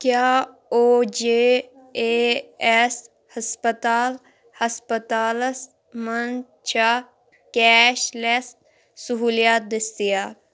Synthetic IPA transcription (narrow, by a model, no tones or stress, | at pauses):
kjaː | oːd͡ʒeː | eːɛs | həspət̪aːl | həspət̪aːləs | mən | t͡ʃʰa | kɛːʃlɛs̚ | sʊɦuːlijaːt̪̚d̪ɪst̪ijaː